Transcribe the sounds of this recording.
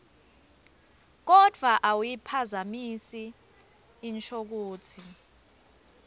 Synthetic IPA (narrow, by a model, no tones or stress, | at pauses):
k̬ɔd̥ʱwaʔawujipʰazamisiː | nt͡ʃʰʼok̬uːt͡sʰi